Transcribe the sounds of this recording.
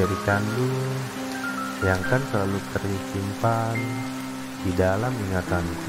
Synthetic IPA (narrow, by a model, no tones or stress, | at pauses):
aɾikandu | jaŋkansəlalut̪ərisimpan | d̥idalamiŋat̪an